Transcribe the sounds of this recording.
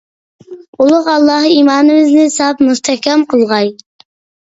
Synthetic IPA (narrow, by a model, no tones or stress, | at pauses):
ulˠʊʁɑlˠːɑɦimɑːnɨβɪznɪsɑpmust̪ʰɛhkʲɛmqʰəlˠʁɑj